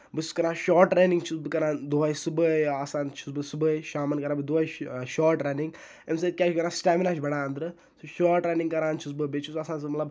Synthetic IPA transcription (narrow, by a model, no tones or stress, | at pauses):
bɨt͡ʃʰi̥skɐɾaːʃɔːʈɾeːniŋɡt͡ʃʰusbɨkɐɾaːnd̪uɦajsɨbəjaːsaːnt͡ʃʰu̥sbɨsɨbəjʃaːmɐnkɐɾãːbɨd̪uɐjʃaːʈɾeːniŋɡ | ems̬ɐt̪̚kʲaːt͡ʃʰkɐɾaːsʈaːminat͡ʃʰbɐɽaːɐnd̪ɾɨ | sɨʃaːʈɾeːniŋkɐɾaːnt͡ʃʰus̬bɨbet͡ʃʰusɐsãːns̬ɨmɐt̪lɐb